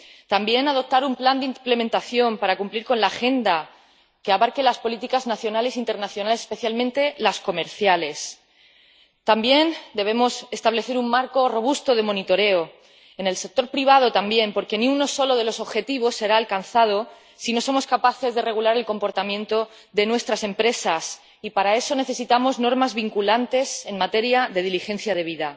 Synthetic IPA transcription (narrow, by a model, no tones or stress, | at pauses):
t̪ambje̞naðo̞p̚t̪aɾumpland̪imple̞mẽnt̪aθjo̞mpaɾakumpliɾko̞nlaːxe̞nd̪a | keaβaɾke̞laspo̞lit̪ikaznaθjo̞nale̞sint̪e̞ɾnaθjo̞nalese̥spe̞θjalmẽnt̪e̞lasko̞me̞ɾθjale̞s | t̪ambje̞nd̪e̞β̞e̞mo̞se̞st̪aβ̞le̞θe̞ɾummaɾko̞ro̞β̞ust̪o̞ð̞e̞mo̞nit̪o̞ɾe̞o | e̞ne̞lse̞k̚t̪o̞ɾpɾiβ̞aðo̞t̪ambje̞mpo̞ɾke̞nĩuno̞so̞lo̞ð̞e̞lo̞so̞βxe̞t̪iβ̞o̞sːe̞ɾaːlkan̟θað̞o̞ | sino̞so̞mo̞skapaθe̞zðe̞re̞ɣulaɾe̞lko̞mpo̞ɾt̪amjẽ̞nt̪o̞ | ðe̞nwe̞st̪ɾase̞mpɾe̞sas | ipaɾae̞so̞ne̞θe̞sit̪amo̞zno̞ɾmazβiŋkulant̪e̞se̞nmat̪e̞ɾjaðe̞ð̞ilixe̞nθjað̞e̞β̞iða